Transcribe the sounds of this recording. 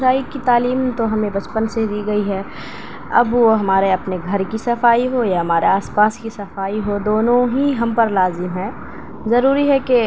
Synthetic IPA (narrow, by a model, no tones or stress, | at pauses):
ɾaːikit̪aːliːmt̪oɦɐmẽbɐt͡ʃpənsed̪iːɡɐiɦɛː | ɐ̰bʋoɦɐmaːɾeɐpneɡʱɐɾkisɐfaːiɦojaɦɐmaːɾeaːspaːskisɐfaːiɦod̪oːnõɦiɦɐmpɐɾlaːzɪmɦɛ̃ː | zɐɾuːɾiɦɛke